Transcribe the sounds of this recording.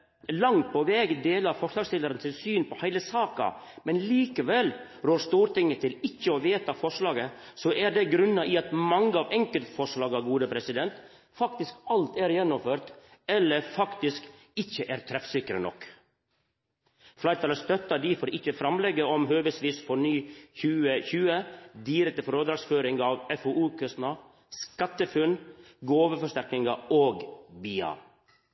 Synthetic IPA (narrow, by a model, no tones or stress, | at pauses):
lɑŋt̪̚pʰɔʋɛːɡd̪eːlɑɾfɔʂlɑːɡst̪ɪləɾənsɪnsyːnpʰɔhæɪləsɑːkɑ̰ | mɛnliːkəʋɛl | ɾoːst̪uːɾt̪ɪŋːət̪ʰɪlɪçːəɔʋeːt̪ɑfɔʂlɑːɡə | sɔʔæɾɖɛɡɾʉnːɑʔɪɑt̪mɑŋːəɑʋɛŋkəlt̪fɔʂɭɑːɡɑɡuːd̪əpʰɾɛsɪd̪ɛnt̪ | fɑkt̪ɪskɑlt̪æɾjɛnːɔmføːɾt̪ | ɛlːəɾfɑkt̪ɪsk | ɪçəʔæːɾt̪ʰɾɛfsɪkɾənɔ̰k | flɑɪɾt̪ɑləst̪œt̪ːɑɖɪfɔːɾɪçəfɾɑmlɛɡːəɔmɦøːʋəsʋiːsfɔɳyːçʉːəçʉːəd̪iɾɛk̚t̪əfɔɾoːd̪ɾɑɡsføːɾɪŋɑːʋɛfouːkʰœst̪nɑ | skɑt̪ːəfʉn | ɡoːʋəfɔʂt̪æɾknɪŋɑʔoːɡbiːɑ̰